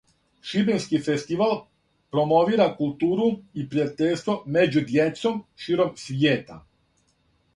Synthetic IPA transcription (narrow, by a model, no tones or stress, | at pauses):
ʃibenskifest̪iʋal | pɾo̞moʋiːɾakulˠt̪uːɾuipɾiat̪eʎʲst̪ʋo̞med͡ʑud̪jet̪somʃiːɾo̞msʋjeːt̪a̰